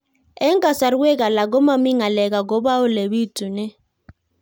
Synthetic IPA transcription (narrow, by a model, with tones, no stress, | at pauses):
ɛ˦ŋɡa˨sa˨ɾu˦wɛ˦k̬a˨la˨k̬ɔ˦ma˦mi˦ŋa˨lɛ˨k̬a˨ɡ̬ɔ˨˦ba˦ʊ˦le˨βi˦tʼu˨nɛ˦